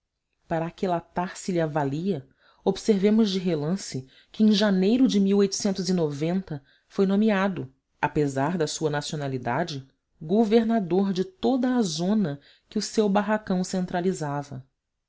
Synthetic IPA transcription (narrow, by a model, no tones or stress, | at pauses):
paɾɐakɪlat̪aɾsɪlɪavaliɐ | obseɾvẽmʊzd͡ʒɪɦelɐ̃sɪ | kɪẽj̃ʒanejɾʊd͡ʒɪmiwojt̪ʊ̥sẽnt̪ʊzinovẽnt̪ɐ | fojnõmiad̪ʊ | apezaɾd̪ɐsuɐnasionalid̪ad͡ʒɪ | ɡoveɾnad̪oɾd͡ʒɪt̪od̪ɐːzõnɐ | kɪʊsewbaɦakɐ̃w̃sẽnt̪ɾalizavɐ